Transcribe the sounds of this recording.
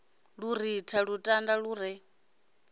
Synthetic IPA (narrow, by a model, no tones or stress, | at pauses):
ɺuɾitʰaɺutʼandaɺuːɾɛ